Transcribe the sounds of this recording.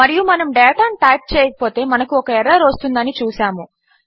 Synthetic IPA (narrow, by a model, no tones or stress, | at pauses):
mɐɾijumɐnɐmɖɛːʈaːnʈɐːjʈ̚t͡ʃɛːjɐkɐ̥po̞ːt̪e̞ːmɐnɐkuɔkɐɛɾɐːɾost̪und̪ɐnit͡ʃuːsaːmu